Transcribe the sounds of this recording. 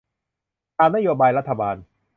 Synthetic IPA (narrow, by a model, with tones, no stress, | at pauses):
kaː˧na˥joː˧baː˧jɾa˦˥t̪ʰːa˧baː˧n